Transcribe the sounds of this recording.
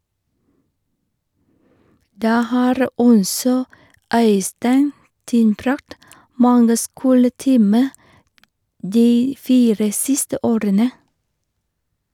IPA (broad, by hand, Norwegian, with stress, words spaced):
ˈdæː ˈhɑːɾ ˈɔsɔ ˈœʏstæɪn ˈtɪnbɾɑkt ˈmɑŋɡə ˈskuːləˌtiːmə ˈdiː ˈfiːɾə ˈsɪstə ˈoːɾənə